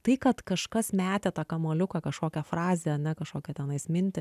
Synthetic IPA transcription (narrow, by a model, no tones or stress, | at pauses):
t̪ɐɪkɐt̪kɐʃkɐsmʲæːt̪ʲet̪ɑːkɐmoːlʲʊkɐkɐʃkoːkʲɛfrɑːzʲeːɐnʲɛkɐʃkoːkʲɛt̪ʲɛnɐɪsmʲɪnʲt̪ʲɪ